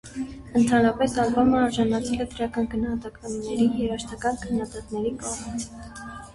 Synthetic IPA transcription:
ənt̪ʰɑnɾɑpɛsɑlbɑməɑɾʒɑnɑt͡sʰɛlɛd̪əɾɑkɑnɡənɑhɑt̪ɑkɑnnɛɾijɛɾɑʃt̪ʰɑkɑnkʰənːɑd̪ɑt̪nɛɾikɔʁmit͡sʰ

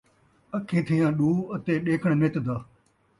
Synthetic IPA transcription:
əkʰẽːt̪ʰijãːɗuːət̪eːɗeːkʰəɳ̃meːt̪d̪aː

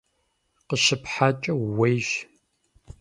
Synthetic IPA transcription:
qəɕɪpʰħat͡ʃʼɐwejʒ

